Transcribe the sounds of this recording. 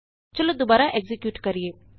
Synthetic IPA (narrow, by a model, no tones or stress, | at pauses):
t͡ʃɐlod̪obaːɾaʔeɡzɪkjuːʈkəɾijeː